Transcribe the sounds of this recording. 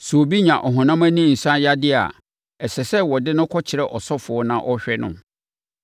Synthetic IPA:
su˨o˨bi˦ɲã˨ʔɔ˨ɦɔ̃˨nã˦mæ˦nĩ˦˨n̩˨sã˦ja˦dɪ˦a̰˨ | ɛ˨sɛ˨sɛ˦wɔ˨dɪ˦nʊ̃˦kʰɔ˦t͡ɕʰɪ˨ɾɛ˦ʔɔ˨sɔ˦fʊ˨ɔ˦nã˦ʔɔ˦ɕᶣɛ˦nʊ̰̃˦m

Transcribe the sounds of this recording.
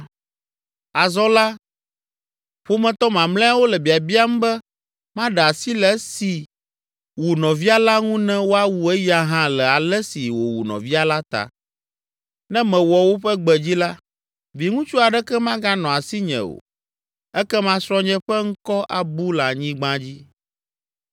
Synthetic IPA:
a˨zɔ˦la˦ | ɸo˦mɛ̃˨t̪ɔ˦mã˨mlɛ̃˦a˦wo˦lɛ˨bi˨a˨bi˦a˦mũ˦bɛ˦ | mã˦ɖɛ˨a˨si˦lɛ˨˦si˨ | wu˨nɔ̃˨vi˦a˦la˦ŋũ˦nɛ̃˦wo˦a˦wu˨ɛ˦ja˦ɦã˦lɛ˨a˨lɛ˦si˨wo˨wu˨nɔ̰̃˨vi˦a˦la˦t̪a̰˨ | nɛ̃˦mɛ̃˨wɔ˨wo˦ɸɛ˦ɡ͡bɛ˨d͡ʑi˦la˦ | vi˨ŋũ˦t͡ʃu˦a˨ɖɛ˦kɛ˦mã˦ɡã˦nɔ̃˨a˨si˦ɲɛ̰̃˨o̰˨ | ɛ˦kɛ˦mã˦sɾɔ̃˦ɲɛ̃˦ɸɛ˦ŋ̩˦kɔ˦ʔa˨bu˦la˨ɲĩ˦ɡ͡bã˦d͡ʑi˦

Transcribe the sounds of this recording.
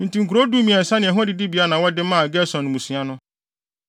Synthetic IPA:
n̩˨tĩ˨ŋ̩˨ku˨ɾo˦du˦mĩ˨ɛ̃˨n̩˨sa˦nɪ̃˨ɛ˨ɦʊ̃˦dɪ˨di˦bi˨a˦nã˨wɔ˦dɪ˦mãː˦˨ɡɛ˦sɔ̃˨nʊ̃˨mũ˨sũ˨˦a˦nʊ̃˦

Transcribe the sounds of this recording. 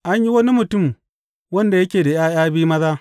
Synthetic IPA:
ʔa˦ɲji˦wɐ˦ni˦mʊ˨tʊ˦˨m | wɐ˦nda˨jɐ˦kʲeː˨da˨j̰aː˦jaː˦biː˦mɐ˦zaː˦

